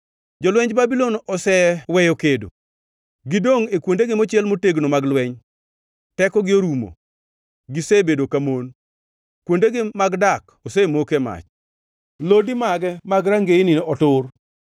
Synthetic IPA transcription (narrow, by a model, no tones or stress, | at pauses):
d͡ʒɔlwɛɲd͡ʒbabilonɔsɛwɛjokedo̰ | ɡɪdoŋekwondeɡɪmot͡ʃɪɛlmoteɡnomaɡlwɛɲ | tɛkɔɡɪoɾumo̰ | ɡɪsebedokamon | kwondeɡɪmaɡdak | osemokema̰t͡ʃ | lodimaɡɛmaɡɾaŋɡenɪnʔɔtʊr